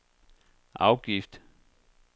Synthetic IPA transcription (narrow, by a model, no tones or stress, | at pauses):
ʔa̰wɡ̥ift